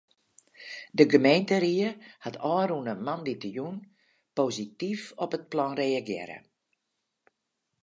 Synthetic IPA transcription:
dəɡəmejntəɾiəhatʰɔːɾunəmanditəjun | pozitifɔpət̚plɔnreaɡjɪ̰ɾə̰

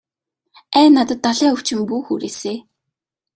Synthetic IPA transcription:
æːnat̪ə̆t̪ːaɮæːɵw̥t͡ɕɪ̆mpuːxuːɾeːseː

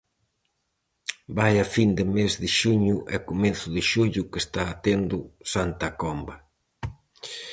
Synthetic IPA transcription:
bajafind̪ɪmezðɪʃuɲʊʔɛkomeθʊðɪʃuʎʊkest̪aːt̪end̪ʊsant̪ɐkɔmbɐ

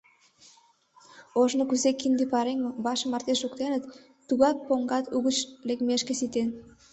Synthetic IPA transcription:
oʒnokuzekind̪epɑɾeŋobɑʃə̆mɑrt̪eʃukt̪enət̪ː | uɣɑk̚poŋɡɑt̪uɣət͡ɕlekmeʃkesit̪en

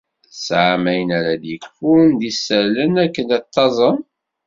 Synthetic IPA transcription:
sʕamæjənæɾæd̪jəkfʊɾnd̪isːəɾlənækːənæt̪ːɑzˤən

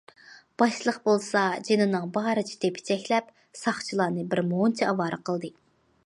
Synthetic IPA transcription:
b̥ɑʃlˠəqbolˠsɑd͡ʒenɨnɨŋbɑɾɨt͡ʃʰi̥t̪ʰepʰɪ̥t͡ʃʰɛkʲlɛp | sɑχt͡ʃʰilˠɑːnɨbɪɾmont͡ʃʰɛɑvɑːɾəqʰəlˠd̪ɨ

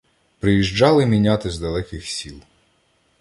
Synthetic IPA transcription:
pɾɪjiʒd͡ʒɑlˠɪmʲinʲat̪ɪzd̪ɐlˠɛkɪxsʲilˠ

